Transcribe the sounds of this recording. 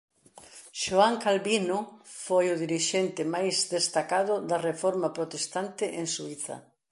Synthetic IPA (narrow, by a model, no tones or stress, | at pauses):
ʃoaŋkalβinofojʊðiɾiʃent̪ɪmajzd̪est̪akað̞ʊd̪ɐrefoɾmapɾot̪est̪ant̪ɪʔeŋsuiθɐ̰